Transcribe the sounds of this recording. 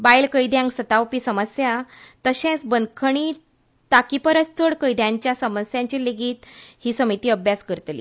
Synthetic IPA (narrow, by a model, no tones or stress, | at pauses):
bajlkəjd̪jãŋɡsət̪awpisəməsjat̪əɕɛ̃t͡sbənd̪kʰəɳ̃i | t̪akipəɾəst͡səɽkəjd̪jãɲt͡ɕjasəməsjãɲt͡ɕileɡiːt̪hiːsəmit̪iːəbjaskəɾt̪lḭː